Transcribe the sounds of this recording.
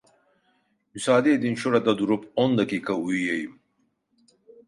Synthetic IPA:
musaːd̪ed̪inʃoɾad̪ad̪uɾupond̪akiːkaujjejim

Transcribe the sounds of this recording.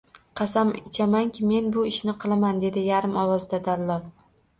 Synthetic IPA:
qʰɑsamɪt͡ʃʰamaŋkʲʰɪme̞nbʊɪʃnɪqʰɨlˠamand̪e̞d̪ɪjaɾɪmɒwɒzd̪ad̪alːɒl

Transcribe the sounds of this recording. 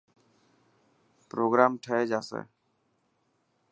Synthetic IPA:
pɾoɡɾamʈʰɛɛd͡ʒasɛ̰

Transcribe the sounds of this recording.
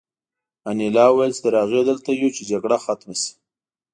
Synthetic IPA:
anilɑwajəlst̪aɾɑɣed̪əlt̪ajut͡ʃed͡ʒaɡɽaxat̪masi̥

